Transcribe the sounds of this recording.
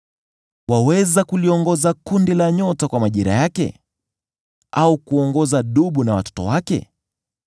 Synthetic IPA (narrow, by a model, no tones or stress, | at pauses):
wawɛzakuliɔŋɡɔzakundilaɲɔtakwamaʄiɾa̰jakɛ̰ | ʔaukuɔŋɡɔzaɗuɓunawatɔ̥tɔ̰wakɛ̰